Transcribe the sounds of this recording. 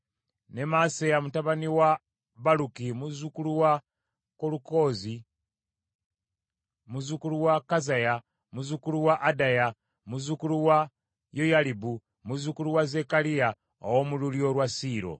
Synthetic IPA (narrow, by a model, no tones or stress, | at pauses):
ne̞masejamutaβaniwa | βalukimuzukuluwa | koluko̞ːzi | muzukuluwakazaja | muzukuluwaʔːdaja | muzukuluwa | jojalibu | muzukuluwaze̞kalija | o̰womululjo̞ɾwasiːɾo̞̰